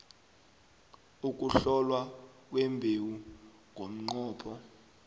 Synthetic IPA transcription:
uk̬ʼuɬɔlwak̬wɛmbʱewu | ŋɡʱom̩ŋ͡ǃɔːpʰɔ

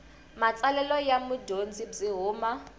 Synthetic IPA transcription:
mat͡sʼalɛlɔjamudʱond͡zʱibziɦʊːma

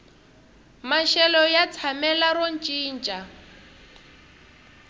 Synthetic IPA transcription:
maʃɛlɔjat͡sʰamɛlaron̩t͡ʃʼiːnt͡ʃʼa

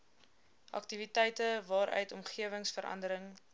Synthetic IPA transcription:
ʔɐ̰k̚tivitɛjtəvɑːɾœ̰ɥtɔmχiəvəŋsfəɾʔɐ̰ndəɾəŋ

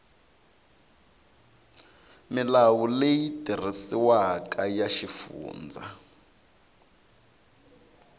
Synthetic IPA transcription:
milawulejitirisiwakʼajaʃifṵːnd͡za̰

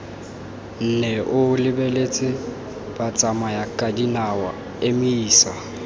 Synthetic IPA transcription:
n̩nɛʔʊʊlɪbelet͡sʼɪ | b̥at͡sʼamajakʼadinawa | ɪmɪiːsa

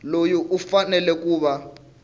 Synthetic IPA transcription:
lojuʔufanɛlɛk̬ʼuːɓa

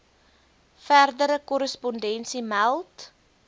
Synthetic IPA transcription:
færdəɾəkɔɾəspɔndɛnsimælˠt

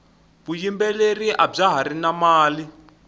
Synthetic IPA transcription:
βujimbɛleriʔab͡ʐaɦaɾinamaːli

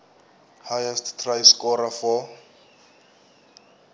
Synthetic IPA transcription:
hajɛstʰtʰrajskɔrafɔ

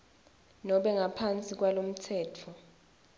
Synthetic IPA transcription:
nɔɓɛŋʱapʰant͡sʼik̬walom̩tʰɛːtʰɔ

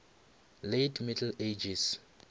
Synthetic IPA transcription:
letʰmidɛled͡ʒis

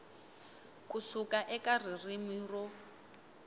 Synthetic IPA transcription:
kusukaʔɛkaririmirɔ

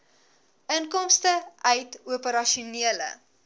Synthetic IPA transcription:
ʔəŋkɔmstəʔœɥtuəpəɾɐʃuniələ̰

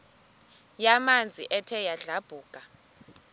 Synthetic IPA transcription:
jamand͡zʱiʔɛtʰɛjaɮab̥ʱuːkʼa

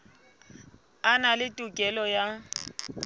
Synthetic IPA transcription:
analɪtʼukʼɛlɔja

